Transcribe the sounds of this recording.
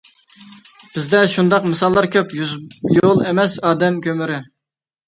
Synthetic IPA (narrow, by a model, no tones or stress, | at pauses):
b̥ɪzd̪ɛʃund̪ɑqmɨsɑlˠːɑɾkʲʰøpjolˠemɛsɑːd̪ɛmkʲʰømɪɾɪ